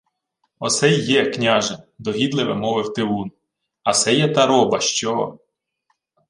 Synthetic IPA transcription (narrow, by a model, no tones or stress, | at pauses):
ɔsɛjːɛknʲɑʒɛnd̪ɔɦʲid̪lˠɪʋɛmɔʋɪwt̪ɪun | ɐsɛjɛt̪ɑɾɔbɐʃt͡ʃɔɔ